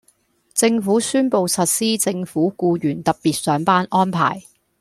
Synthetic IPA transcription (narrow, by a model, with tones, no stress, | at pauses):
t͡sɪ˧ŋfuː˨˥syː˥npo˧wsɐ˨t̚siː˥t͡sɪ˧ŋfuː˨˥kuː˧jyː˨˩nt̪ɐ˨p̚piː˨t̚sœː˨˥ŋpaː˥nʔɔː˥npʰa̰ː˨˩j